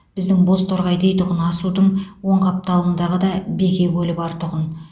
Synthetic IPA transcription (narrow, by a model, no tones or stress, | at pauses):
b̥ɪzd̪ɪŋbo̞st̪ʰoɾʁɑjd̪e̞jt̪ʊʁənɑsud̪əɴwo̞ɴqʰɑp̚t̪ɑlˠənd̪ɑʁəd̪ɑbe̞kʲe̞ɡʲɵlɪbɑɾt̪ʰʊʁən